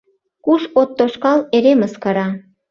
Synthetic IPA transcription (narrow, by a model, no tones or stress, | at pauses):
kuʃot̪ːoʃkɑleɾeməskɑɾɑ